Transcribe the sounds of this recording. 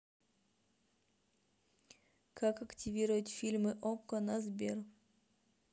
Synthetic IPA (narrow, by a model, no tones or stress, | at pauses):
kʰakɐktʲɪvʲiɾəvətʲfʲilʲmɨʔokːənazbʲer